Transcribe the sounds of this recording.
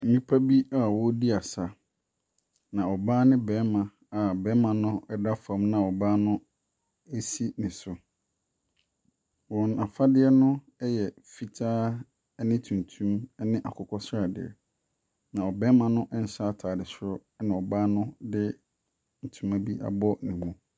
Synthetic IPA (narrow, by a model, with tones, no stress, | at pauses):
m̩˨mĩ˦pʰa˦bi˦a˨wɔ˦di˦a˨sa˨ | nã˨ɔ˨baː˦nɪ̃˦bɛ˨˦mã˨ | a˨bɛ˦mã˨nʊ̃˦ɛ˦da˦fã˨˦mnã˨ɔ˨baː˦nʊ̃˦ | e˦si˦nɪ̃˨sʊ˨ | wɔ̃˨na˨fa˦dɪ˦ɛ˦nʊ̃˦ | ɛ˦jɛ˨ | fi˨tʰaː˦ | ɛ˦nɪ̃˦tʰũ˨n˨tʰũ˦mɛ˦nɪ̃˦ʔa̰˨kʰʊ˨kʰɔ˦sɾa˨dɪ̰˨ɛ̰˨ | nã˨ɔ˨bɛ̃˦mã˨nʊ̃˦ʔɛ˦n̩˨sa˦a˦tʰaː˨dɪ˨sʊ˦ɾʊ˦nɪ̃˨ɔ˨baː˦nʊ̃˦dɪ˦ | n̩˨tʰũ˦ma˦bi˦ʔa̰˨bɔ˦nĩ˨mũ˦